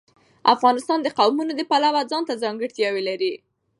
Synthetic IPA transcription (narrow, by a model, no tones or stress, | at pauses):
afɣɑnɪst̪ɑnd̪əqawmunod̪əpalawad͡zɑnt̪azɑŋɡəɽt̪jɑwelaɾi